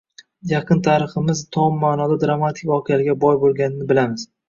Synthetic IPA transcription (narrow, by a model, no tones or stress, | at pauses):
jaqʰɨnt̪ʰaɾɨχɨmɪzt̪ʰɒmːaːnɒd̪ad̪ɾamat̪ʰɪkʲɒqʰɨalɪɡʲabɒjbolˠɡʲanɪnɪbɪlamɪz̥